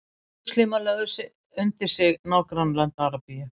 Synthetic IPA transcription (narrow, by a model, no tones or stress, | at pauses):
slimalɛɣʏsɪ | ʏnt̪ɪɾ̥sɪɣnaːwkɾanlant̪aɾapija